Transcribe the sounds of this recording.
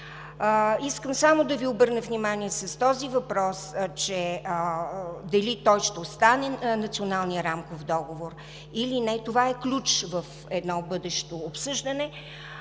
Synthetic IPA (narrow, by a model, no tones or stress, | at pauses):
iskəmsamod̪ɐviobɤɾnəvnʲimaniɛsəst̪ɔzivɐpɾɔst͡ʃɛ | d̪ɐlit̪ɔjʃt̪ɛost̪anɛnɐt̪sionalˠnijəɾamkofd̪ɔɡovoɾ | ilinɛt̪ovaɛklʲut͡ʃvəf | ɛd̪nɔbɤd̪ɛʃt̪oːpsɤʒd̪ənɛ